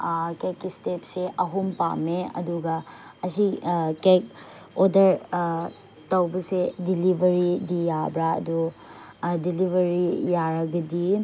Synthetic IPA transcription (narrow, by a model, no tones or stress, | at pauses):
kekːistep̚seʔɐɦumpa̰meɐ̰duɡɐːsikek̚ | odɐɾ | tɐwbɐsedilibʱɐɾidijabɾaɐ̰du | dilibʱɐɾijaɾɐɡɐdi